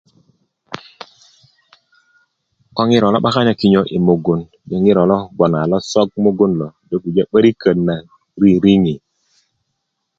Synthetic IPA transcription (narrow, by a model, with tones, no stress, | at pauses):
kɔ˦ŋi˦ɾɔ˨lɔ˦ɓa˦ka˦ɲa˨ki˦ɲo˦ʔi˨mo˨ɡo˨n | d͡ʒa˨ŋi˦ɾɔ˨lɔ˦ɡ͡bɔ˨na˨lɔ˦sɔ˦ɡ̚mo˦ɡo˦nlɔ˨do˦ku˨d͡ʒa˦ɓə˦ɾi˦kə˨nːa˨ | ɾi˦ɾi˦ŋi˨